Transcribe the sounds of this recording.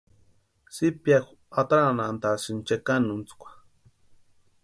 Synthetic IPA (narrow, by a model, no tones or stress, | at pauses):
sipjaxʷ | at̪ɾanant̪asint͡ʃekanunt͡skʷḁ